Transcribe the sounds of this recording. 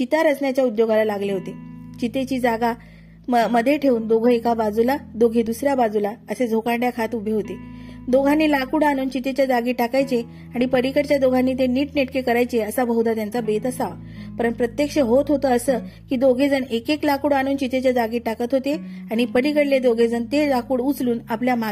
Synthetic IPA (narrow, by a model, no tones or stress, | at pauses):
t͡ɕit̪aɾət͡sɳjat͡ɕjaud̪joɡalalaɡleɦot̪et͡ɕit̪et͡ɕiːd͡zaɡa | məməd̪ʱːjeʈʰeuːnd̪oɡʱəekabad͡zulad̪oɡʱed̪usɾjabad͡zulaəsed͡zʱokaɖjakʰat̪ubʱeɦot̪ed̪oɡʱanːiːlakuɽañuːnt͡ɕit̪et͡ɕjad͡zaɡiːʈakajt͡se | aɽ̃ipəɾikəɾt͡ɕjad̪oɡʱanːiːt̪eniːʈneʈkekəɾajt͡seəsabʱəɦwd̪at̪jant͡sabet̪əsaʋ | pəɾənpɾət̪jekʂəɦot̪ɦot̪əːsəkiːd̪oɡʱed͡zənekeklakuːɽaɽ̃uːnt͡ɕit̪et͡ɕjad͡zaɡiːʈakət̪ɦot̪eaɽ̃ipəɾikəɽled̪oɡʱed͡zənt̪elakuːɽut͡sluːnapljama